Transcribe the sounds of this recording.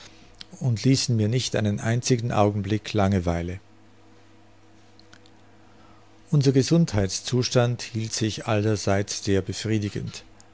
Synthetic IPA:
ʊntliːsn̩miːɐnɪçtʔa̰ɪnənʔa̰ɪnt͡sɪɡŋ̩ʔa̰ʊɡŋ̩blɪkʰlaŋəvaɪlə | ʔʊnzɐɡəzʊnthaɪtst͡suːʃtanthiːltz̥ɪçʔa̰ldɐzaɪt͡sz̥eːɐbəfʁ̥iːdɪɡə̰nt

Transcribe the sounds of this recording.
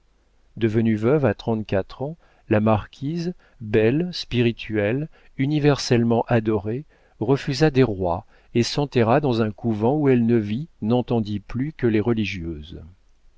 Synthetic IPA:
d̪əvənyvœvat̪χɑ̃t̪kʲat̪χɑ̃ | lamaʁkʲʰiz | bɛlspiʁit̪ʰɥɛl | ynivɛʁsɛlmɑ̃ʔad̪ɔʁe | ʁəfyzad̪eʁwa | esɑ̃t̪ɛʁad̪ɑ̃zɛ̃kuvɑ̃uɛlnəvinɑ̃t̪ɑ̃d̪iplykəleʁəliʒjøːz

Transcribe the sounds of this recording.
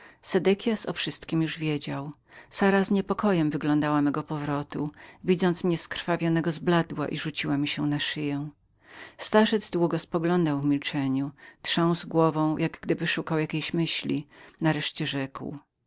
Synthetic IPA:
sɛd̪ɛkʲjasɔfʂɘst̪kʲimjuʐvʲjed͡ʑaw | saɾazɲɛpɔkɔjɛmvɘɡlɔ̃nd̪awamɛɡɔpɔvɾɔt̪uvʲid̪zɔnt̪smɲɛskɾfavʲjɔnɛɡɔzblad̪wa̰ʔiʐut͡ɕiwamʲiɕɛnaʂɘjɛw̃ | st̪aʐɛd̪zd̪wuɡɔspɔɡlɔnd̪awvmʲilt͡ʂɛɲut̪ʂɛ̃w̃zɡwɔvɔ̃w̃jʔaɡɡd̪ɘbɘʂukawjakʲejɕmɘɕlʲḭnaɾɛʂt͡ɕɛʐɛkw

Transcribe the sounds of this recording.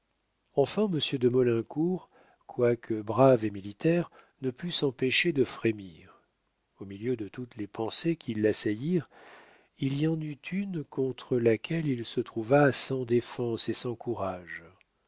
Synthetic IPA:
ɑ̃fɛ̃məsjød̪əmɔlɛ̃kuʁ | kwakʰəbʁavemilit̪ɛʁnəpysɑ̃peʃed̪əfχemiʁ | omiljød̪ət̪ut̪lepɑ̃sekʰʲilːasajiʁ | iliɑ̃nyt̪ʰynkɔ̃t̪χəlakʲʰɛlilsət̪χuvasɑ̃d̪efɑ̃sesɑ̃kuʁaʒ

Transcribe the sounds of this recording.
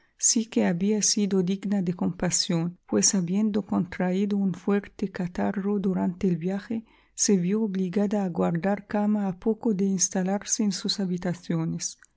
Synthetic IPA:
sikeaβiasid̪od̪iɡnad̪ekompasjonpwesaβjend̪okont̪ɾaid̪ounfweɾt̪ekat̪arod̪uɾant̪eːlbjaxe | seβjoːβliɡad̪aːɡwaɾd̪aɾkamaːpokod̪einst̪alaɾseːnsusaβit̪aθjones

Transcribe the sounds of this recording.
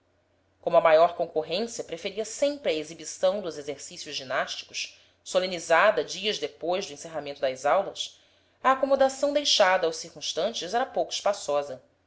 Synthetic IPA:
kõmʊɐmajɔɾkõŋkoɦẽsiɐpɾefeɾiɐsẽmpɾɪɐezibisɐ̃w̃d̪ʊzezeɾsisijʊzʒinaʃt͡ʃi̥kʊ̥ʃ | solẽnizad̪ɐd͡ʒiɐzd̪epojzd̪ʊẽseɦamẽnt̪ʊd̪ɐzawlɐs | ɐaːkomod̪asɐ̃w̃d̪ejʃad̪ɐːwʃsiɾkũʃt̪ɐ̃nt͡ʃɪzɛɾɐpowkʊi̥ʃpasɔzɐ

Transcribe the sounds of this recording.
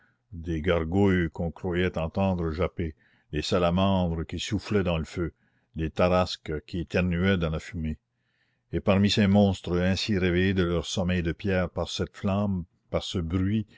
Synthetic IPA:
d̪eɡaʁɡujkɔ̃kɾwajɛt̪ɑ̃t̪ɑ̃ːd̪ɾəʒape | d̪esalamɑ̃ːd̪ɾəkisuflɛd̪ɑ̃ləfø | d̪et̪aɾaskəkʲʰiet̪ɛʁnyɛd̪ɑ̃lafyme | epaʁmisemɔ̃ːst̪ɾəɛ̃siɾevejed̪əlœːʁsɔmɛjd̪əpjɛːʁpaʁsɛt̪flɑ̃m | paʁsəbɾɥi

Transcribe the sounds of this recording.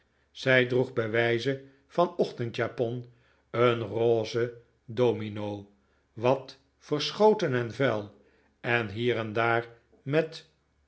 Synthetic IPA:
z̥ɛjdruχbəʋɛjzə | fɑnɔχtəntjaːpɔn | ənroːzə | doːminow | ʋɑt | fərsχowtənɛnvɛlˠ | ɛnɦiːrɛndaːɹ | mɛt

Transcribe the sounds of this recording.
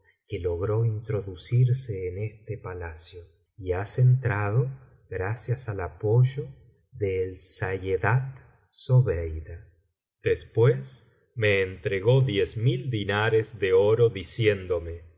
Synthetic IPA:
kelo̞ɣɾo̞int̪ɾo̞ðusiɾseːnest̪epalasjo | iasent̪ɾað̞o̞ | ɣɾasjasalapo̞ʒo̞ | ðeːlsajeðat̪ | soβejða | d̪̥espwes | meːnt̪ɾeɣo̞ðjezmild̪inaɾezðeoɾoðisjend̪o̞me

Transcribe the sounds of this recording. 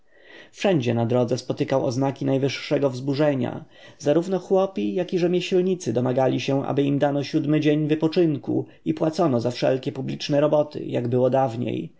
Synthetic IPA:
fʂɛɲd͡ʑɛnad̪ɾɔd̪zɛspɔt̪ɘkawɔ̰znakʲinajvɘʂːɛɡɔvzbuʐɛɲa̰ | zaɾuvnɔxwɔpʲijakʲiʐɛmʲjɛɕlɲit̪sɘd̪ɔmaɡalʲiɕɛ̃ʔa̰bɘimd̪anɔɕud̪mɘd͡ʑeɲvɘpɔt͡ʂɘŋkṵ | ipwat̪sɔnɔzafʂɛ̰lkʲɛpublʲit͡ʂnɛɾɔbɔt̪ɘ̰jaɡbɘwɔd̪avɲḛj

